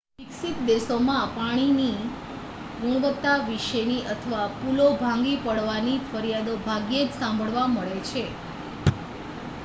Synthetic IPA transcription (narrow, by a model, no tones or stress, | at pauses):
iksit̪d̪esomãpaɽ̃ini | ɡuɽ̃ʋət̪ːaʋiʃeniʔət̪ʰəʋapulobʱãŋ̆ɡipəɽʋanifəɾijad̪obʱaɡjed͡ʒsãmbʱəɭʋaməɭet͡ʃʰe